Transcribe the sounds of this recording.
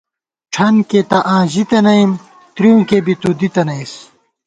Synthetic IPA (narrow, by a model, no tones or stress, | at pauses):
ʈ͡ʂʰɐnket̪ɐʔãːʑit̪ɐnɐim | t̪ɾijũːkebit̪ud̪it̪ɐnɐis